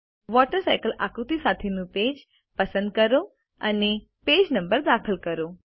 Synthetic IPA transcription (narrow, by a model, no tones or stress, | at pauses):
ʋɔʈəɾsajkəlʔakɾut̪isat̪ʰenũped͡ʒ | pəsə̃nd̪̚kəɾo | əne | ped͡ʒnəmbəɾd̪akʰəlkəɾo